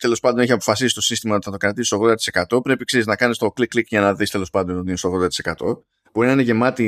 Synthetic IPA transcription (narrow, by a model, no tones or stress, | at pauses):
t̪e̞lo̞spɐnd̪oeçiɐpo̞fɐsisi̥t̪o̞sinst̪imɐot̪i̥θɐt̪okɾɐt̪isst̪o̞ɣðod̪ɐt̪i̥se̞kɐt̪o̞pɾe̞pikseɾiznɐkɐnist̪o̞kliklikʝɐnɐðist̪e̞lo̞spɐnd̪o̞no̞t̪iinest̪o̞ɣðod̪ɐt̪isekɐt̪o̞ | b̥oɾinɐineʝe̞mɐt̪i